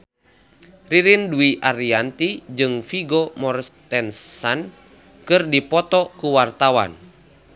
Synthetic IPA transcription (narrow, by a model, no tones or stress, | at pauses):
riɾinduiʔaɾiant̪id͡ʒɨŋfiɡɔmɔrst̪ɛnsan | kɨrdipɔt̪ɔkuwart̪awa̰n